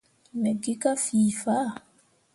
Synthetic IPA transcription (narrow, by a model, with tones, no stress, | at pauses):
mɛ˨ɡi˦ka˦fiː˨fa˦˨